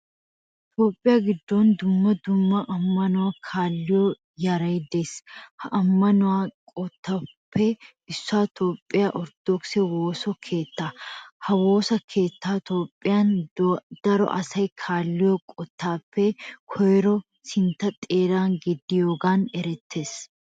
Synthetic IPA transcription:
t̪o̞ːpʼːɪjaːɡɪd̪ːoːnd̪ʊmːɐd̪ʊmːɐʔɐmːɐnʊwaːkʰaːlːɪjo | jɐɾɐjd̪eːshɐʔɐmːɐnʊwaːkʼɔt̪ːapʰːe | ɪsːaːt̪ʰo̞ːpʼːɪjaʔɔɾd̪̥ɔksɛwoːsɔkʰe̞ːt̪ːaːhɐwo̞ːsɐkʰe̞ːt̪ːaːt̪o̞ːpʼːɪjand̪̥ɐɾɔ̰ʔɐ̰sɐjkʰaːlːɪjɔkʼɔt̪ːaːpːɛkʰɔjɾɔ | sɪnt̪ɐt̪ʼeːɾaːŋɡɛd̪ːɪjoːɡaːnɛɾɛt̪ːe̞ːs

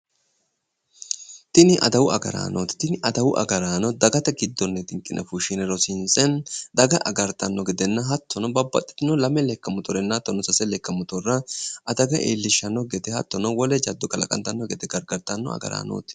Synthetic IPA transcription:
t̪ɪnɪʔɐ̰d̪ɐwʊɐ̰ɡɐ̰ɾa̰ːnoːt̪t̪ɪnɪʔɐd̪ɐwʊʔɐ̰ɡɐɾaːnɔd̪ɐɡɐt̪ɛɡɪd̪ːɔnːɛt̪ɪŋkʼɪnʔɛfuʃɪnɛɾɔsɪnsʼɛnd̪ɐɡɐʔɐ̰ɡɐɾt̪ɐnːɔɡɛd̪ɛnːɐɦɐt̪ːɔnɔbɐbːɐ̰t̪ʼːɪ̥t̪ɪnɔlɐmɛlɛkːɐmʊt̪ɔɾɛnːɐt̪ːɔnɔsɐsɛlɛkːɐmʊt̪ɔrːɐʔɐd̪ɐɡɐʔḛːlːɪʃːɐnːɔɡɛt̪ɛhɐt̪ːɔnɔwɔlɛd͡ʒɐd̪ːɔkɐlɐ̰kʼɐ̰nt̪ɐnːɔɡɛt̪ɛɡɐɾɡɐɾt̪ɐnːɔ̰ɐ̰ɡɐ̰ɾa̰ːno̰ːt̪ɪ̥

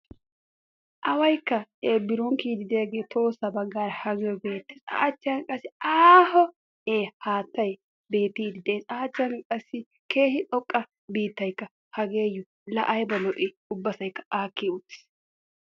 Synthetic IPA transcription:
ʔɐwɐjkːɐeːbɪɾɔŋkiːd̪ɪd̪eːɡeːt̪ʰo̞ːsɐbɐɡːaːɾhɐɡeɔbeːt̪ːɛ̥sʼa̰ːt͡ʃːɪɐnkʼɐsɪaːhɔ | eːhaːt̪ːɐj | be̞ːt̪ːiːd̪ɪd̪eːsʼaːt͡ʃːɐnkʼɐsːɪ | kʰe̞ːhɪtʼɔkʼːɐ | biːt̪ːɐjkːɐ | hɐɡe̞ːjːʊ | lɐʔɐjbɐlɔʔɪ | ʊbːɐsɐjkːɐ̥aːkːeʊt̪ːɪ̥s

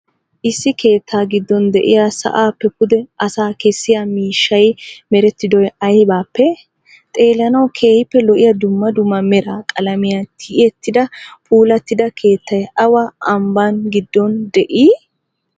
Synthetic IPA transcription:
ʔɪsːɪkʰe̞ːt̪ʰːaːɡɪd̪ːɔnd̪ɛʔɪ̰jaːsɐ̰ʔaːpːɛkʊd̪ɛɐsaːkɛsːɪjamiːʃːɐjmɛɾɛt̪ːɪd̪ɔjɐjbaːpːɛ | t̪ʼe̞ːlɐnɐwkʰe̞ːhɪpːɛlɔʔɪjɐd̪ʊmːɐd̪ʊmːɐmɛɾakʼɐlɐmɪjat̪ʰɪʔjɛt̪ːɪd̪ɐpuːlɐt̪ːɪd̪ɐkʰe̞ːt̪ʰːɐjɐwaʔɐmbanɡɪd̪ːɔnd̪ɛʔiː

